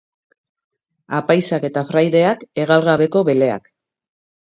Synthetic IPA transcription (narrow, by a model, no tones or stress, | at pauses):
apajsake̞t̪afɾajðe̞ake̞ɣ̞alɣaβe̞ko̞βe̞le̞a̰k